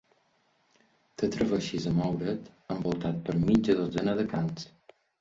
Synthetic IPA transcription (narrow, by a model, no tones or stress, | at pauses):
t̪ət̪ɾəβəʃizəmɔwɾət̪əmbolˠt̪at̪̚pəɾmid͡ʒ̪əðozənəðəkans